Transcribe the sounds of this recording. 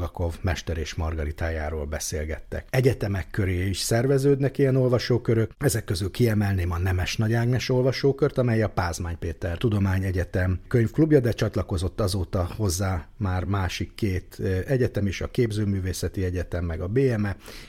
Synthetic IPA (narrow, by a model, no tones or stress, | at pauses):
ɡɒko̞vmɛʃt̪ɛɾeːʃmɒrɡɒɾit̪aːjaːɾoːlbɛsḛːlɡɛ̰t̪ːɛ̰kɛɟɛt̪ɛmɛkːøɾeːiʃsɛrvɛzøːd̪nɛkijɛno̞lvɒʃoːkøɾøkɛzɛkːø̞zylkiɛmɛlneːmɒnɛmɛʃnɒɟaːɡnɛʃo̞lvɒʃoːkørt̪ɒmɛjɒpaːzmaːɲpeːt̪ɛrt̪ud̪o̞maːɲɛɟɛt̪ɛmkøɲfklubjɒd̪ɛt͡ʃɒt̪lɒko̞zo̞t̪ːɒzoːt̪ːɒho̞zːaːmaːrmaːʃikːeːt̪ɛɟɛt̪ɛmeːʃɒkeːbzøːmyːveːsɛt̪iɛɟɛt̪ɛmːɛɡɒbeːɛmɛ